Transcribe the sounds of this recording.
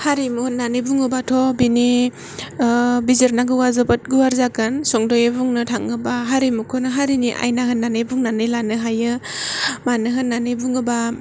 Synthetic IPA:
haɾimuhɯnːanɯbuŋɯbatʰɔbini | bizɯɾnaɡɯwazɔbat̚ɡuwaɾzakɯnsɔŋdɔjebuŋnɯtʰaŋɯbaɦaɾimukʰonɯɦaɾiniʔa̰jnahɯnːanɯbuŋnanɯjlanɯɦajɯ | manɯɦɯnːanɯbuŋɯba

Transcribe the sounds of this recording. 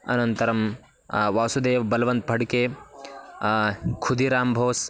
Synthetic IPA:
ɐ̰nɐnt̪ɐɾɐm | ʋaːwsud̪eːʋbɐlʋɐnt̪̚bʱɐɽke | kʰud̪iɾaːmbʱoːs

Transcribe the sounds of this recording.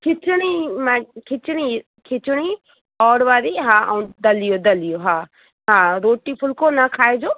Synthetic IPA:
kʰɪt͡ʃɽimakʰɪt͡ʃñi | kʰɪt͡ʃɽi | ɔːɾʋaːɾiɦãːũd̪ɐlijod̪ɐlijoɦãː | ɦãːɾoːʈipʰʊlkonakʰaːed͡ʒoː

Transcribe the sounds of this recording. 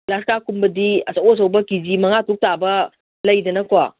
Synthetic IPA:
laskakumbɐdiɐsaosɐwbɐkizimɐŋatuk̚tabɐ | lɐjdɐnɐkoa

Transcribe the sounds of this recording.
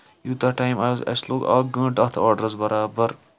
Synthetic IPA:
juːt̪ɐʈaːjmaːzɐ̰sloːɡa̰ɡə̃ːʈɐt̪ʰaːɖəɾɐzbɐɾaːbɐɾ

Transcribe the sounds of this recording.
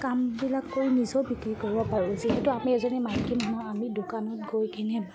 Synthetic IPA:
kambilakːoɹjnizɔbikɹikoɹibɔpaɹʊ̃ziɦɛtʊamiɛzɔnɛmankimɦɔamidokanɔt̚ɡojkinɛ

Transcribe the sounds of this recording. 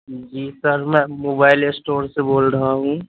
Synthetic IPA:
d͡ʒiːsəɾmɛ̃moːbaːɪlesʈoːɾseboːlɾəɦaɦũː

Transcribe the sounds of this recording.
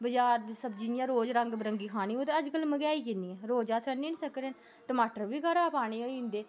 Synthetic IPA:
bəd͡ʒaːɾd̪iːsəbd͡ʒijãːɾoːd͡ʒɾəŋɡbɾəŋɡiːkʰaːɽ̃iːoːt̪eəd͡ʒkəlməɡaːiːkɪniːɛːɾoːd͡ʒaːsəniːniːsəkɾẽː | ʈəmaːʈəɾbiːkʰaɾaːpaːɽeːoːɪnd̪eː

